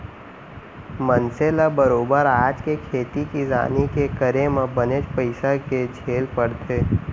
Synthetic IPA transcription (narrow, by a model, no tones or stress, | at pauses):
mənselabəɾoːbəɾaːd͡ʒkekʰeːt̪ikiza̰ːnikekəɾemə̃bəneːd͡ʒpəɪsaked͡ʒʰeːlpəɽt̪ʰeː